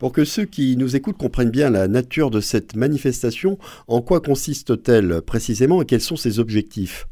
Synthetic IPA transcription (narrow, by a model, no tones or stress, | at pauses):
puʁkəsøkʲinuzekut̪̚kɔ̃pχɛnbjɛ̃lanat̪yʁd̪əsɛt̪manifɛst̪asjɔ̃ | ɑ̃kwakɔ̃sist̪t̪ɛlpχesizemɑ̃ekʲɛlsɔ̃sezɔbʒɛk̚t̪if